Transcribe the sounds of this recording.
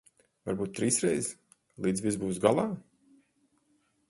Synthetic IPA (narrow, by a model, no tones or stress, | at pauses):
va̰ɾbuːt̪ːɾiːsɾɛjz | lˠiːd̪zvʲizbuːsɡalˠaː